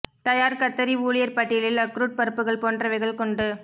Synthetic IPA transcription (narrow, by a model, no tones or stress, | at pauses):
t̪ɐjaːɾkɐt̪ːɐɾiuːlɪjɐɾpɐʈːɪjɐlɪlɐkɾuːʈ̚pɐɾɯpːɯɣɐɭpoːndrɐʋɐɪɣɐɭkɔɳɖɯ